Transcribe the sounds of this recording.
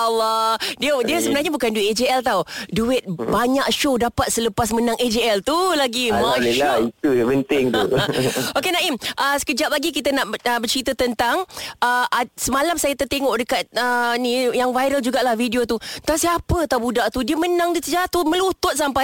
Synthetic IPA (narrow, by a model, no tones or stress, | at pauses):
alːɔdiədiəsəbənarɲabukanduiʔed͡ʒeɛlt̪awduɪt̪̚baɲak̚ʃodapat̪̚sələpas̬mənãŋʔed͡ʒeɛlt̪ulaɡimaʔiʃait̪upənt̪ɪŋt̪ | okenaʔimʔəsə̥kəd͡ʒap̚laɡik̬it̪ənaʔəbərt͡ʃɾit̪ət̪ənt̪aŋʔəʔasəmalamsajat̪ərt̪eŋɔʔdəkat̪̚ənĩjaŋvajɾəld͡ʒuɡaʔlahvidiot̪ut̪asiapət̪awbudaʔt̪udiəmənãŋdiəsəd͡ʒaɾat̪umə̃lut̪ʊt̪̚sampaj